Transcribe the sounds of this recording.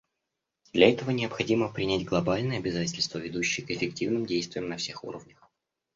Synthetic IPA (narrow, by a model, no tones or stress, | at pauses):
d̪lʲɐɛt̪əvənʲɪəpxɐdʲiməpɾʲɪnʲætʲɡlˠɐbalʲnɨjəɐbʲɪzatʲɪlʲst̪vəvʲɪd̪uɕːɪjəkɪfʲɪktʲivnɨmdʲejst̪vʲɪjəmnɐfsʲe̞xṵɾəvnʲəx